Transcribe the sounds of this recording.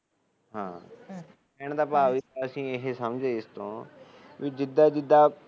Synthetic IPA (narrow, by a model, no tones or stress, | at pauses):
ɦã̰ː | ɛːɳd̪aːpaːʋiːəsĩːeɦesəmd͡ʒeːɪst̪õ̰ː | ʋiːd͡ʒɪd̪aːd͡ʒɪd̪aː